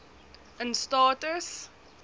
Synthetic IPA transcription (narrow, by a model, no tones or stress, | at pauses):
ə̃nstɑːtəs